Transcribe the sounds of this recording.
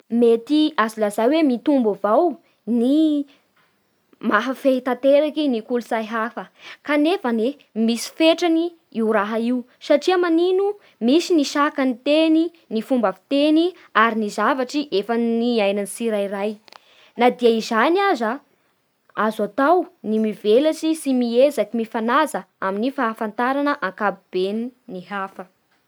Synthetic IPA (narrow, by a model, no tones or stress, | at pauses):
met̪iazulazawemit̪umbavaw | ni | maɦafeit̪at̪eɾakinikulusajɦafəkanefane | misi̥feʈ͡ʂani | iwɾaɦaiw | saʈ͡ʂiamaninu | misiniʃakanit̪eni | nifumbafi̥t̪eni | aɾinizavaʈ͡ʂiʔefəniajnanisiɾairaj | nad̪iəizaniaza | azat̪awnimivelat͡ʃisimiezakimifanazə | aminifaːfant̪aɾanəʔaŋkabib̥eniniɦafə